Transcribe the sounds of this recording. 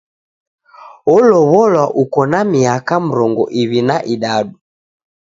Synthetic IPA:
ɔlɔβɔlwaʔukɔnamiakam̩ɾɔŋɡɔ̰ʔiβinaʔiɗaɗu

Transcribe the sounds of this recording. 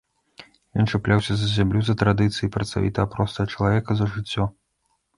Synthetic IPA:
jɔnt͡ʂɛplʲawsʲɐzɐzʲamlʲuzɐt̪ɾad̪ɨt̪sɨjipɾɐt̪st̪a̰vʲḭt̪ɐɐpɾɔst̪ɐɣɐt͡ʂɐlˠavʲɛkɐzɐʐɨt͡sʲːɔ

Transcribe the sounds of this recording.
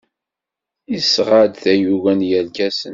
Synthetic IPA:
isʁad̪θæjuwænjælɡæsə̰n

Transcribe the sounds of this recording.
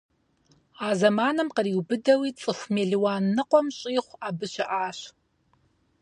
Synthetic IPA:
aːzɐmaːnɨmqəriːwbɨdɐwit͡sʼɨxʷmeːɮiwaːnːɨqʷʼɔmɕʼiːχʷaːbɨɕɐʔaːɕ

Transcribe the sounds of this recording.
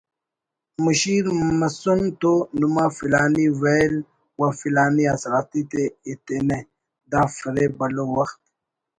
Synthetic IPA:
muʃiɾməsunt̪onumafilɑːniwel | wafilɑːniasɾɑːt̪it̪eːt̪ene | d̪afəɾebəlowaxt̪

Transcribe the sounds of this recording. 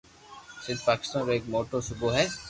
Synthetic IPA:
sɪ̃nd̪̚paːkɪ̥st̪aːnɾoeːkmoːʈosʊboɦɛː

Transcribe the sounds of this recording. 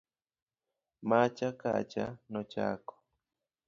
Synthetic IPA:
mat͡ʃaka̰t͡ʃa̰nɔt͡ʃa̰kɔ̥

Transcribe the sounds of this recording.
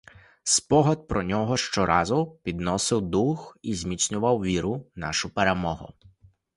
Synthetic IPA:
spɔɦɔd̪̚pɾɔnʲɔɦɔʃt͡ʃɔɾʔɑzʊpʲid̪nɔsɪwd̪uxizʲmʲit̪snʲʊʋɐwʋʲiɾʊnɑ̰ʃʊpeɾemɔɦʊ̰

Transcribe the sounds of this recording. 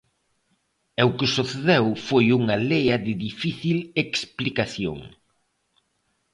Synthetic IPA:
ɛwkɪsuθeðewfojuŋɐlejɐðɪðifiθileksplikaθjo̰ŋ

